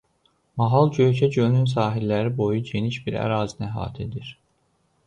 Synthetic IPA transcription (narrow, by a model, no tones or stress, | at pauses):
mɑɦɑlˠɟø̞jcʰæɟønyns̬ɑːɦilːæɾibo̞juɟe̞niʃbiɾæ̰ɾɑːzinæɦɑ̰ːt̪ʰed̪iɾ̥